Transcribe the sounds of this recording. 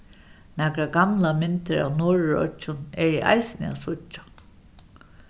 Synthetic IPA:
nɛkɾaɡamlamɪnt̪ɪɹa̰wnʊːɹɹɔ̰t͡ʃːʊnɛɹiʔa̰jsɪnɪ̰a̰sʊt͡ʃːḁ

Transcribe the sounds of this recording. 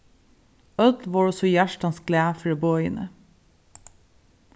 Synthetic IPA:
œd̪ʋɑːɹɔsɔjæʃʈɑnsɡlæːfɖebɔʏə̰nə̰

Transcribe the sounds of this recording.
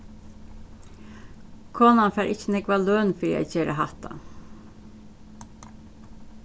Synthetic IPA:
kʰoːnɑnfæːɾʔɪçənɛkʋɑːløːnfɾḭːæ̰ɪçeːɾə̰hɑt̪ʰɑ̰

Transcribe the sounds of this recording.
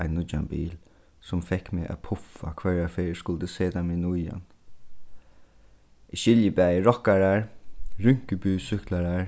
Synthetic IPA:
aɪnːʊd͡ʒa̰nbḭːl | sɔmfɛkːmeʔa̰pʰʊfa̰kʰvœɹafeːskʊld̪əseːd̪aminʊja̰n | ʔɪʃɪljəbæːjəɹɔkaɹaɹɹʏŋkəbyːsʏklaɹaɹ

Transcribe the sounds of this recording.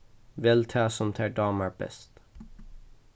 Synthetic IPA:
ʋɛlt̪ʰɑːsɔmt̪ʰæːɖɑːməb̥ɛ̰st̪

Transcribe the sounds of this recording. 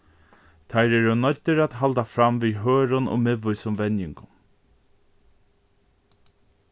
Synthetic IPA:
t̪ʰajɾɛɾʊnɔt̪ːəɾat̪ɦalt̪afɾamviɦøːɾʊnɔ̰mɪʋʊjsʊmvɛnjɪŋkʊn

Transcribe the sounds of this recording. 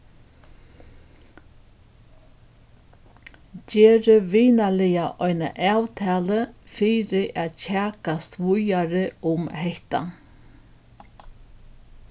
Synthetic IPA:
ceːɾəʋiːnalɪjaʔɔjna̰ʔaːwt̪ʰæːlə | fiːɾɪʔaːt̪cæːkast̪ʋʊjaɾɪʊmhɛht̪a̰

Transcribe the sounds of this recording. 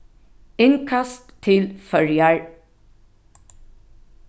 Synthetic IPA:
ɪnkʰast̪ʰːɪlfœɹjaɹ

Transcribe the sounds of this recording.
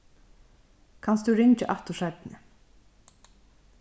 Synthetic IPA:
kʰanst̪ʉɾɪɲt͡ʃɪʔaht̪ʊʂat̪nɪ

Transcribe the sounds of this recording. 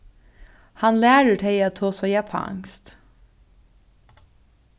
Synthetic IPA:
hɑnlæːɹəʈʰeɪɑt̪ʰoːsɔːjɛpʰɑ̰ʔɑ̰ŋst̪

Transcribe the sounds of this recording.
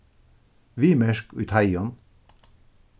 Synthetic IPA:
ʋiːmɛʃkṵjt̪ʰajɔn

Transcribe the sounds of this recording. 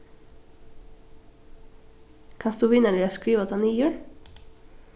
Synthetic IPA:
kʰɑnsd̪uːʋɪnəɖiːoskɾiːʋɔt̪ʰɑːniːjʉːɽ

